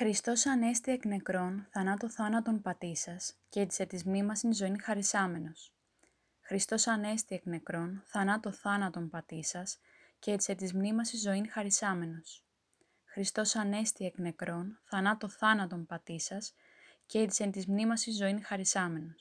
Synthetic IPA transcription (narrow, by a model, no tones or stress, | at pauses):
xɾist̪o̞sɐne̞st̪iekne̞kɾo̞nθɐnɐt̪o̞θɐnɐt̪o̞npɐt̪isɐscet̪i̥se̞t̪izmnimɐsinzo̞inxɐɾisɐme̞no̞s | xɾist̪o̞sɐne̞st̪iekne̞kɾo̞nθɐnɐt̪o̞θɐnɐt̪o̞nmpɐt̪isɐs | ceet̪i̥se̞t̪izmnimɐsizo̞inɐɾisɐme̞no̞s | xɾist̪o̞sɐne̞st̪iekne̞kɾo̞nθɐnɐt̪o̞θɐnɐt̪o̞mpɐt̪isɐs | cet̪i̥sent̪izmnimɐsizo̞inxɐɾisɐme̞nos